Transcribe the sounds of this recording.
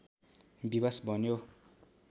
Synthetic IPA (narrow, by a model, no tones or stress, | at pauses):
bibasbʱʌnjo